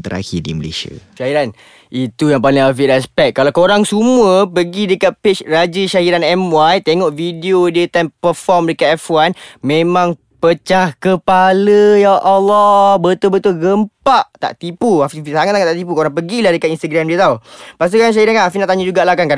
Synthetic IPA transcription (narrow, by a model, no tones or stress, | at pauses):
t̪əɾa̰kidḭməlḛsa̰ʃaɦiɾan | it̪ujaŋpaliŋafiʔɾɛspɛk̪̚ːalawkoɾaŋsumuəpəɡidəkat̪̚pet͡ʃrad͡ʒəʃahiɾanɛmwajt̪eŋɔʔvideodiət̪ampəfɔrmdəkat̪ɛfuanmẽmãŋ | pət͡ʃahkəpaləjaʔɔlːɔbət̪obət̪olɡəmpaʔt̪a̰ʔt̪ipuafiisaŋat̪saŋat̪aʔt̪ip̬ukoɾaŋpəɡilahdəkat̪inst̪əɡɾamdiət̪aupast̪ukanʃaɦiɾankanafinaʔt̪aɲəd͡ʒuɡaʔlahkanka